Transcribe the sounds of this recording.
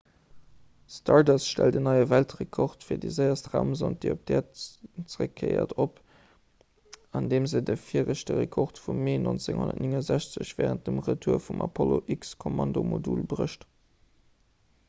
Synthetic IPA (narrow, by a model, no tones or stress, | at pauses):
stʰɑɹdɑsʃtældənɑɪəvæltʁekʰoχtfiːɐdəzəɪɐstʁaʊmzont̚d̥eɪop̚d̥ɛːɐt͡səʁəkʰːɜɪɐ̰tʰop | ɑndeːmzədəfiəʁəɕdəʁekʰoʁtfumːeːno̰nt͡seŋho̰ndɐ̰tniŋəzæɕt͡səɕv̥ɛːʁənt̚d̥əmʁətʰuːɐfumʔɑ̰pʰɔloʔikskʰomɑndomodulbʁəʃt